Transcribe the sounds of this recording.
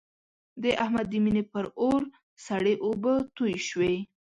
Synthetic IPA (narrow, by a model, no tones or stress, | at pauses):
d̪əʔahmad̪iminepəɾoɾ | saɽeʔobət̪ujʃwe